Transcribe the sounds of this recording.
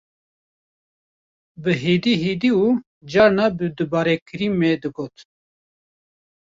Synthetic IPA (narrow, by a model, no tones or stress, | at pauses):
bɨɦiːd̪iːɦiːd̪iuː | d͡ʒɑːɾnabɨd̪ɨbɑːɾekʰɨɾimed̪ɨɡoːt̪